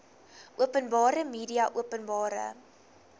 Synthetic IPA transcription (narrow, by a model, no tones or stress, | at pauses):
ʔuəpənbɑːɾəmiːdiɐʔuəpənbɑːɾə̰